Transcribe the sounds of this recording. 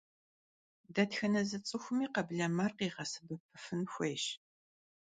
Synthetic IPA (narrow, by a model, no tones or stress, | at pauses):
dɐtxɐnɐzɨt͡sʼɨxʷʊmiːqɐbɮɐmɐrqiːʁɐsɨbɨp̚ʰɨfɨnxʷeːɕ